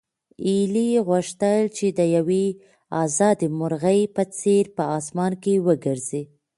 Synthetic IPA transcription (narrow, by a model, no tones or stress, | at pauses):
iliɣʊʂt̪əlt͡ʃed̪əjawe | ɑzɑd̪imʊɾɣəjpət͡seɾpəɑsmɑnkewəɡəɾzi